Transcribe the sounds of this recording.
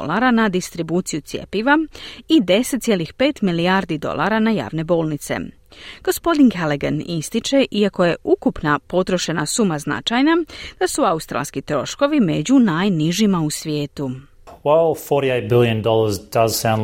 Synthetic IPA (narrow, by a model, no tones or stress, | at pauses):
lˠaɾanad̪ist̪ɾibuːt̪sijut̪sjḛpiʋaid̪e̞set̪ʲje̞lixpe̞ːt̪milijaːɾd̪id̪o̞̰lˠʔaɾanaja̰ːʋne̞bo̞ːlnit̪se̞̰ | ɡ̥o̞spo̞d̪inkeleɡanist̪it͡ʃe̞ʔiako̞je̞ʔukupnapo̞t̪ɾo̞ʃe̞na̰sumazna̰t͡ʃajnad̪̥asuaust̪ɾa̰lskit̪ɾo̞ʃko̞ʋime̞d͡ʑunajniʒimausʋje̞ːt̪u | wɛlˠfɔɹɾieɪt̚b̥ɪlˠjɨ̃ndɔlˠə˞zdʌz̥sãʊ̃n